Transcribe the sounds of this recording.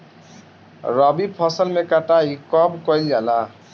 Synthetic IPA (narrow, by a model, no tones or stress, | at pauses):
ɾʌbipʰʌsəlmekaʈaɦikɔbkʌjlala